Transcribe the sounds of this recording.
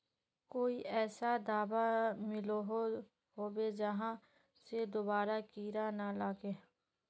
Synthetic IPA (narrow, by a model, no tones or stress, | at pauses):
koːiʔɛːsad̪aːbamɪloɦo | ɦoːbed͡ʒəɦã | sed̪obaːɾakiːɾanalaːɡe